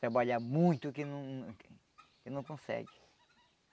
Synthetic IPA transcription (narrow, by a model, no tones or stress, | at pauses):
t̪ɾabaʎamũj̃t̪ʊkɪnɐ̃w̃ | kɪnɐ̃w̃kõsɛ̰ɡɪ